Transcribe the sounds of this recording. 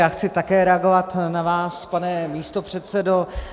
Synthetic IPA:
jaːxt͡sɪt̪akɛːɾɛaɡo̞vat̪navaːspanɛmiːst̪o̞pr̝̥ɛt̪sɛdo

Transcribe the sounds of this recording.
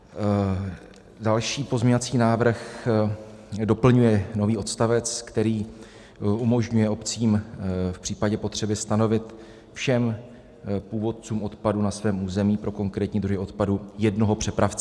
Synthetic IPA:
dalʃiːpo̞zɲovat͡siːnaːvr̩x | do̞pl̩ɲujɛno̞viːʔo̞t̪st̪avɛt͡skt̪ɛɾiː | umo̞ʒɲujɛo̞pt͡siːmfpr̥iːpaɟɛpo̞t̪r̝̥ɛbɪst̪ano̞vɪt̪ | fʃɛm | puːvo̞t̪̚t͡suːmʔo̞t̪padunasvɛːmuːzɛmiːpɾo̞ko̞ŋkɾɛːt̪ɲiːd̪ɾuɦɪo̞t̪padujɛdno̞ɦo̞pr̝̥ɛpɾaft͡sɛ

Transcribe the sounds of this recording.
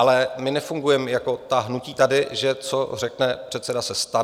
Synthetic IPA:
alɛmɪnɛfuŋɡujɛmjako̞t̪aɦnuciːt̪adɪʒɛt͡so̞r̝ɛknɛpr̝̥ɛt̪sɛdasɛst̪a

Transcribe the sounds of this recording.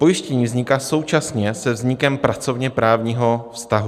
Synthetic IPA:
po̞jɪʃcɛɲiːvzɲɪkaːso̞wt͡ʃasɲɛsɛvzɲɪkɛmpɾʔat͡so̞vɲɛpɾaːvɲiːɦo̞fst̪aɦu

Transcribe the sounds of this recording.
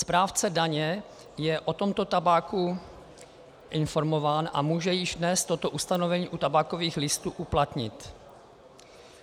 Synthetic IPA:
spɾaːft͡sɛdaɲɛ | jɛʔo̞t̪o̞mt̪o̞t̪abaːku | ʔɪnfo̞ɾmo̞vaːnʔa̰muːʒɛjɪʒdnɛst̪ːo̞t̪o̞ʔust̪anovɛɲiːʔut̪abaːkoviːxlɪst̪uːʔuplat̪ɲɪ̰t̪

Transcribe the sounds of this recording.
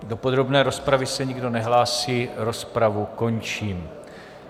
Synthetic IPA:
do̞po̞d̪ɾo̞bnɛːɾo̞spɾavɪsɛɲiɡdo̞nɛɦlaːsiːɾospɾavuko̞nt͡ʃiːm

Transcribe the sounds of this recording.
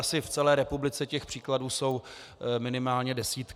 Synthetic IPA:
asɪft͡sɛlɛːɾɛpublɪt͡sɛcɛxpr̥iːkladuːso̞w | mɪnɪmaːlɲɛdɛsiːt̪k

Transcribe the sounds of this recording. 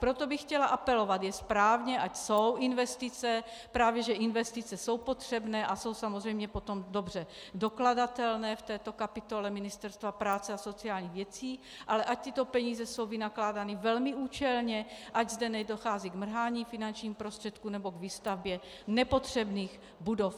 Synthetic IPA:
pɾot̪obɪxcɛlaʔapɛlovat̪jɛspɾaːvɲɛʔacsowʔinvɛst̪it͡sɛpɾaːvjɛʒɛʔinvɛst̪it͡sɛsowpot̪r̝̥ɛbnɛːʔaso̞wsamozrɛjmɲɛpo̞t̪o̞mdobr̝ɛ | dokladat̪ɛlnɛːft̪ɛːt̪o̞kapɪt̪o̞lɛmɪnɪst̪ɛɾst̪vapɾaːt͡sɛaso̞t͡siaːlɲiːɣvjɛt͡siː | ʔalɛʔac̚t̪ɪt̪o̞pɛɲiːzɛso̞wvinaklaːdanivɛlmɪʔuːt͡ʃɛlɲɛʔaɟzdɛnɛdoxaːziɡmr̩ɦaːɲiːfinant͡ʃɲiːmupɾost̪r̥ɛt̪kunɛbo̞ɡviːst̪avbjɛ | nɛpot̪r̝̥ɛbniːx | budof

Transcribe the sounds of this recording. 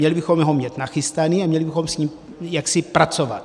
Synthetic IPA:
ɲɛlɪbɪxomɦomɲɛt̪naxɪst̪aniamɲɛlɪbɪxo̞msɲim | jaksɪpɾat͡sovat̪̚

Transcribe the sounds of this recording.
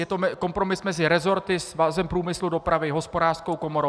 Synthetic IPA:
jɛt̪omɛko̞mpɾo̞mɪsmɛzɪɾɛzo̞ɾt̪ɪsvazɛmpɾuːmɪsludo̞pɾavɪɦo̞spo̞daːrskowkomoɾo

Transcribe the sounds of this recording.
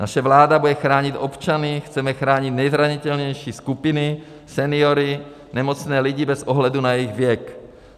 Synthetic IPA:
naʃɛvlaːd̪abudɛxɾaːɲit̪ʔopt͡ʃanixt͡sɛmɛxɾaːɲit̪ɲɛjzɾaɲit̪ɛlɲɛjʃiːskupini | sɛnioɾi | nɛmot͡snɛːliɟibɛzʔoɦlɛd̪unajɛiɣvjɛk

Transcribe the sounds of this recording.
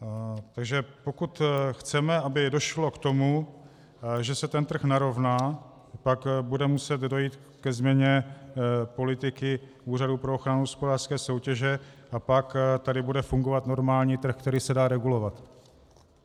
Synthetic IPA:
t̪aɡʒɛpo̞kut̪xt͡sɛmɛʔabɪdo̞ʃlo̞kt̪o̞mu | ʒɛsɛt̪ɛnt̪r̩xnaɾo̞vnaː | pakbudɛmusɛt̪do̞jiːt̪ | kɛzmɲɛɲɛ | po̞lɪt̪ɪkɪʔuːraduːpɾooxɾanuɦospodaːr̥skɛːso̞wcɛʒɛʔapakt̪adɪbudɛfuŋɡo̞vat̪no̞ɾmaːlɲiːt̪r̩xkt̪ɛɾiːsɛdaːɾɛɡulo̞vat̪

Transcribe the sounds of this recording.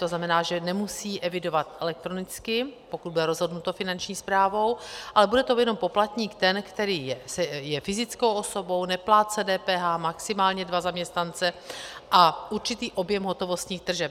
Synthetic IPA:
t̪o̞znamɛnaːʒɛnɛmusiːʔɛvɪdo̞vat̪ʔɛlɛk̚t̪ɾo̞nɪt͡skɪpo̞kut̪̚budɛɾo̞zɦo̞dnut̪o̞fɪnant͡ʃɲiːspɾaːvo̞wʔalɛbudɛt̪o̞jɛno̞mpo̞plat̪ɲiːkt̪ɛnkt̪ɛɾiːjɛsɛjɛfɪzɪt͡sko̞wʔoso̞bo̞wnɛplaːt͡sɛdɛːpɛːɦaːmaksɪmaːlɲɛdvazamɲɛst̪nant͡sɛʔaʔuɾt͡ʃɪt̪iːʔo̞bjɛmɦo̞t̪o̞vo̞st̪ɲiːxd̪r̩ʒɛp

